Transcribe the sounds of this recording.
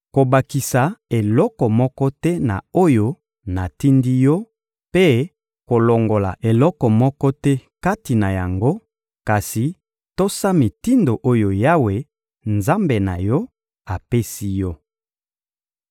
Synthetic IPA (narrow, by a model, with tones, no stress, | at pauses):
ko˨ba˨ki˨sa˨e˨lɔ˦kɔ˨mɔ˦kɔ˦tɛ˦na̰˨o˦jo˦ | na˨ti˦ndi˦jɔ˦ | pe˦ | ko˨lɔ˨ŋɡo˨la˨ʔe˨lɔ˦kɔ˨mɔ˦kɔ˦tɛ˦ka˦ti˨na˨ja˨ŋɡo˦ | ka˨si˨ | to˦sa˦mi˨ti˦ndo˨ʔo˦jo˨ja˦we˨ | nza˦mbe˨na̰˨jɔ˦ | a˨pe˦si˦jɔ˦